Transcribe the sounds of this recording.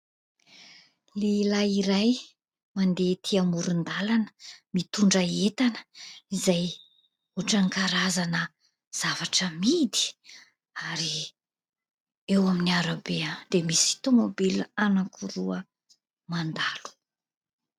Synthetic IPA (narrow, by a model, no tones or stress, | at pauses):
lelaiɾaj | mand̪et̪ʰiamuɾund̪alanə̥mit̪uɳɖ͡ʐəet̪anə̥izaj | uʈ͡ʂaŋkaɾazanə | z̥avaʈ͡ʂəmid̪i̥ | aɾi | ewaminiaɾabead̪̥emisi̥t̪omobilanakʰuɾuə | mand̪alu̥